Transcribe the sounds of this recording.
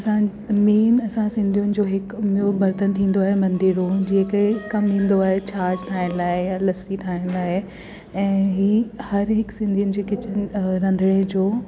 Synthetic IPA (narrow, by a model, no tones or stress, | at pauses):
ɐsã | miːnɐsãsɪ̃nd̪ʱijʊnɪ̆d͡ʑoːɦɪkmiubɐɾt̪ənt̪ʰĩːn̆d̪oaːɦemɐ̃nd̪iːɾõd͡ʑiːkekɐmɦĩːn̆d̪oaːɦet͡ɕʰaːɾd͡ʑʈʰaːɦɪɽ̃laːejalɐsiʈʰaːɪɽñlaːe | ɛ̃ːɦiːhɐɾɦɪksɪ̃nd̪ʱijʊnɪ̆d͡ʑeːkɪt͡ɕʰɪɾɐ̃nd̪ʱəɽ̃ed͡ʑoː